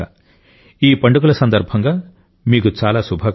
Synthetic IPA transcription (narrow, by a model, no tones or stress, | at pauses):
a | iːpɐɳɖuk̬ulɐsɐnd̪ɐɾbʱɐŋɡaː | miːkut͡ʃaːlaːsubʱɐ